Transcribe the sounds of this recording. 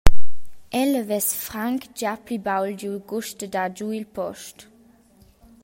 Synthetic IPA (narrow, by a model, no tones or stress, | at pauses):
ʔɛləvɛsfʁaŋkd͡ʒapibawlduɡuʃtədad͡ʒuilpʰɔʃt